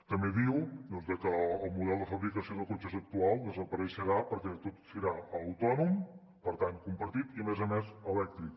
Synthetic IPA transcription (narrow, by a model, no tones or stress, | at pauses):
t̪əmbeðiwd̪ɔnzðəkəːlˠmuðɛlˠd̪əfəβɾikəsioðəkot͡ʃəzək̚t̪ualˠd̪əzəpəɾəʃəɾapəɾkɛt̪ot̪səɾaələwt̪ɔnum | pəɾt̪aŋkumpəɾt̪it̪imɛzəmɛzəlɛk̚t̪ɾik